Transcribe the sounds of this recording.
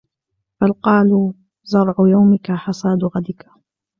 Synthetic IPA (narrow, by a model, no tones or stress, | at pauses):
falqɑːluː | zɑɾˤʕʊjawmɪkaħɑsˤɑːd̪ʊɣad̪ɪka